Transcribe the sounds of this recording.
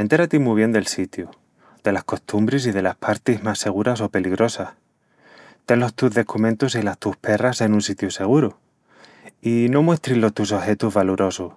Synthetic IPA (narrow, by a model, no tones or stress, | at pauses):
ent̪e̞ɾat̪imwiβ̞je̞nd̪e̞lsit̪ju | d̪e̞lasko̞st̪umbɾes̬iðe̞lahpʰaɾt̪iɦmasːe̞ɣ̞uɾaso̞pe̞liɣɾo̞sah | t̪e̞nlo̞st̪uɦðe̞kumẽnt̪usilast̪uhpe̞rase̞nũnsit̪juse̞ɣ̞uɾu | ino̞mwe̞st̪ɾilot̪us̬o̞xe̞t̪uzβaluɾo̞su